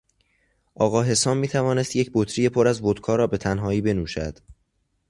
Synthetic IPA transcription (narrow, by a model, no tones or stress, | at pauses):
ʔɒːɣɒːɦe̞sɒːmmːiːt̪ʰævɒːne̞st̪je̞cʰbot̪ʰɾije̞pʰoɾæzvod̪̥kʰɒːɾɒːbe̞t̪ʰænɦɒːiːbe̞nuːʃæd̪̥